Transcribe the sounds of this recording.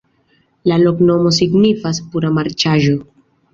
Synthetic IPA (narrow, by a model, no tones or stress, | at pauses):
lalo̞kno̞mo̞s̬iɡnifaspuɾamaɾt͡ʃaʒo̞